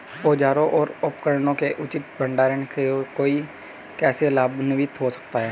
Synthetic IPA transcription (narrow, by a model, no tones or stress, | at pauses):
oːd͡ʒaːɾõʔɔːɾʊpkəɾnõkeʔʊt͡ʃɪt̪̚bəɳɖaːɾənkekoːi | kɛːselaːbnɪʋɪt̪ɦosə̥k̚t̪aɦɛː